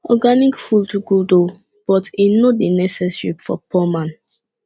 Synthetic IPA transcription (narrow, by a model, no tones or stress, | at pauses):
ɔɡanikfultuɡudo | b̥ɔtinodinɛsɛsipfɔ̰pʰɔmãn